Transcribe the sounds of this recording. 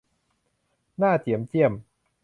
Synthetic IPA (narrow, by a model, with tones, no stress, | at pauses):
naː˥˩t̪i˨˩˦əmt͡ɕi˥˩əm